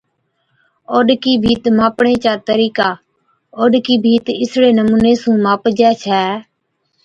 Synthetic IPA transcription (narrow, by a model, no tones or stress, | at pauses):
oːɗkiːbʱiːt̪maːpɳẽːt͡ʃaːt̪əɾiːkaː | oːɗkiːbʱiːt̪ɪsɽeːnəmuːneːsũːmaːpd͡ʒɛːt͡ʃʰɛː